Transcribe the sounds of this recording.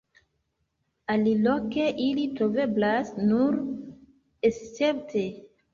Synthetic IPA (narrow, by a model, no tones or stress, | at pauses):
aliloke̞ʔilitɾo̞ve̞blasnuɾ | est͡se̞p̚tʰe̞